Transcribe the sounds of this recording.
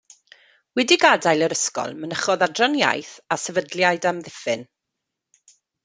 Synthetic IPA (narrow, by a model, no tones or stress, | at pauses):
wɛdiɡadajlˠəɾəskɔ̰lˠmənəχɔðadrɔnja̰jθasɛvədljajdamðɪfɪn